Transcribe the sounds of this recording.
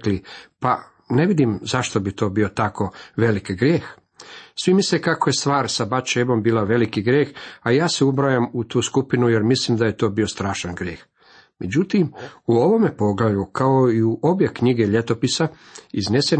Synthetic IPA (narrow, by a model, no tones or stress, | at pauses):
klipa̰ | ne̞ʋid̪imzaʃt̪o̞bit̪o̞ːbio̞t̪ako̞ʋe̞likɡɾjeːx | sʋimislekakoje̞st̪ʋaːɾsabat͡ʃebo̞mbiːlaʋe̞likiɡɾjeːxajaːseubɾajamut̪uːskupinuje̞ɾmislimd̪aje̞t̪o̞ːbio̞st̪ɾaːʃanɡɾjḛːx | me̞d͡ʑut̪imuo̞ʋo̞mepo̞ɡlajukao̞iuʔo̞bje̞kɲiɡe̞ʎe̞t̪o̞pisa | iznese